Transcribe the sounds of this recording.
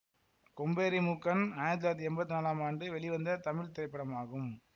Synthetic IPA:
kɔmbeːɾimʊkːɐnaːnɐt̪̬laːɾɐt̪̬ːiɛmbɐt̪ːɯnaːlaːmaːɳɖɯʋɛɭɪʋɐnd̪ɐt̪ɐmɪɭt̪ɪɾɐɪpːɐɽɐmaːɣɯm

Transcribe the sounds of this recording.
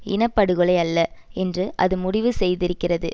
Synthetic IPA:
ɪ̰nɐpːɐɽɯɣɯɭɐɪɐlːɐɛndrɯʔɐðɯmʊɽɪʋɯsɛjðɪɾɯkːɪrɐðɯ

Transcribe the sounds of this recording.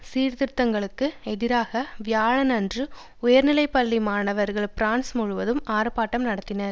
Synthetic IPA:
siːɾðɪɾt̪ːɐŋɡɐɭɯkːɯɛðɪɾaːɣɐʋɪjaːɻɐnɐndrɯ | ʊjɐɾnɪlɐɪpːɐlːimaːɳɐʋɐɾɣɐɭpɪɾaːnsmʊɻɯʋɐðɯmaːɾɐpːaːʈːɐmnɐɽɐt̪ːɪnɐɾ

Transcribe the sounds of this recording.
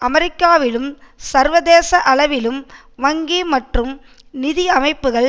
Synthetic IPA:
ʔɐmɛɾɪkːaːʋɪlɯmsɐɾʋɐðeːsɐʔɐɭɐʋɪlɯm | ʋɐŋɡimɐʈrɯm | nɪðiɐmɐɪpːɯɣɐɭ

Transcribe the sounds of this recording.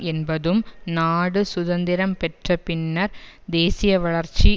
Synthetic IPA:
ɛnbɐðɯmnaːɽɯsʊðɐnd̪ɪɾɐmpɛʈrɐpɪnːɐɾ | d̪eːsɪjɐʋɐɭɐɾt͡ʃi

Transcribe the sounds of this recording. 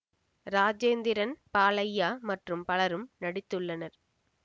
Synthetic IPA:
ɾaːd͡ʒeːnd̪ɪɾɐnpaːlɐjːaːmɐʈrɯmpɐɭɐɾɯmnɐɽɪt̪ːɯɭːɐnɐɾ

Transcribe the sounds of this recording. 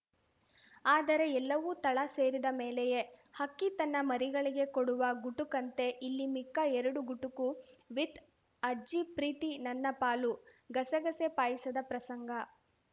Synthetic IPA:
aːd̪ɐɾe̞ɛlːɐʋut̪ɐɭɐse̞ːɾid̪ɐmeːlɛje̞hɐkːit̪ɐnːɐmɐɾiɡɐɭiɡe̞koɽuʋɐɡuʈukɐnt̪e̞ʔilːimikːɐɛɾɐɽuɡuʈukuʋid̪ | ɐd͡ʒipɾiːt̪inɐnːɐpaːlu | ɡɐsɐɡɐsepaːjisɐd̪ɐpɾɐsɐŋɡɐ

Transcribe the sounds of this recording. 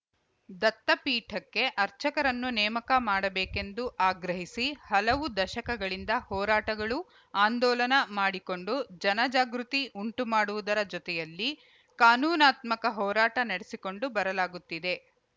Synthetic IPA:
d̪ɐt̪ːɐpiːʈʰɐkːe̞ʔɐɾt͡ʃɐkɐɾɐnːunɛːmɐkɐmaːɽɐbeːke̞nd̪uʔaːɡɾɐɦisihɐlɐʋud̪ɐʃɐkɐɡɐɭind̪ɐhɔːɾaːʈɐɡɐɭu | aːnd̪ɔːlɐnɐmaːɽiko̞ɳɖud͡ʒɐnɐd͡ʒaːɡɾut̪iʔuɳʈumaːɽuʋud̪ɐɾɐd͡ʒɔt̪ɛjɐlːi | kaːnuːnaːt̪mɐkɐɦɔːɾaːʈɐnɐɽesiko̞ɳɖubɐɾɐlaːɡut̪ːid̪e̞

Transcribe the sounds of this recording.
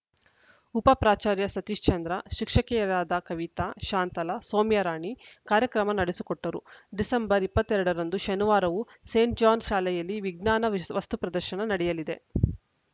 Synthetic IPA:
upɐpɾaːt͡ʃaːɾjɐsɐt̪iʃt͡ʃɐnd̪ɾɐʃikʂɐkɛjɐɾaːd̪ɐkɐʋit̪aʃaːnt̪ɐlɐsoːmjɐɾaːɳikaːɾjɐkɾɐmɐnɐɽesukɔʈːɐɾṵɖisɐmbɐɾipːɐt̪ːɛɾɐɽɐɾɐnd̪uʃɐnuʋaːɾɐʋu | seːɳʈ̚d͡ʒaːnʃaːlɛjɐlːiʋiɡnaːnɐʋɐst̪upɾɐd̪ɐɾʃɐɳɐnɐɽɛjɐlid̪e̞̰

